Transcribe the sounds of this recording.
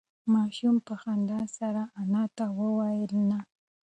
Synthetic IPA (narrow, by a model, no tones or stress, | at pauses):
maʃʊmpahand̪asaɾaːnat̪awawajɪlna